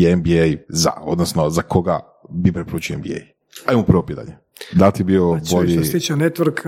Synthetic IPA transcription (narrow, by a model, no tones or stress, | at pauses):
embiejza̰o̰d̪nosnozakoɡa | bipɾepoɾuːt͡ʃioembḭḛj | aimupɾ̩ʋopitd̪a̰ʎe | d̪at̪ibioboʎist̪it͡ʃanet̪ʋɾk